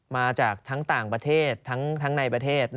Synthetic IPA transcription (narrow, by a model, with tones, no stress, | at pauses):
maː˧t͡ɕaː˨˩k̚t̪ʰa˦˥ŋt̪aː˨˩ŋpɾa˧t̪ʰeː˥˩t̪ʰːa˦˥ŋt̪ʰa˦˥ŋna˧jpɾa˧t̪ʰeː˥˩t̪̚